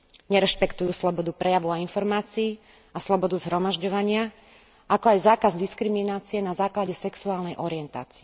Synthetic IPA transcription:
ɲɛɾɛʃpɛkt̪ujuːslɔbɔd̪upɾɛjaʋɔʊainfɔɾmaːt͡siiː | aslɔbɔd̪uzɦɾɔmaʒɟɔʋaɲɪa | ʔakɔajzaːkazd̪iskɾiminaːt͡siɛnazaːklaɟɛsɛksuaːlnɛjʔɔɾiɛnt̪a̰ːt͡si̥ɛ

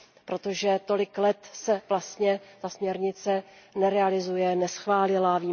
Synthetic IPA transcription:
pɾo̞t̪o̞ʒɛt̪o̞lɪklɛt̪sɛvlast̪ɲɛt̪asmɲɛɾɲɪt͡sɛ | nɛɾɛalɪzujɛnɛsxvaːlɪlaviː

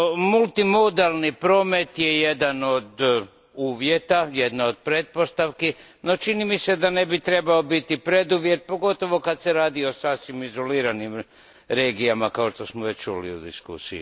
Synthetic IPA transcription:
mulˠt̪imo̞d̪alˠnipɾo̞ːme̞t̪je̞jed̪ano̞d̪ | uːʋje̞t̪ajed̪nao̞d̪̚pɾet̪̚po̞st̪aʋke | no̞t͡ʃinimise̞d̪ane̞bit̪ɾe̞bao̞bit̪ipɾe̞d̪uʋje̞t̪̚po̞ɡo̞t̪o̞ʋo̞kad̪seɾaːd̪io̞sasʋimizo̞liːɾanim | ɾe̞ːɡijamakao̞ʃt̪o̞smoʋe̞t͡ɕt͡ʃṵlḭṵd̪ḭskṵsḭjḭ

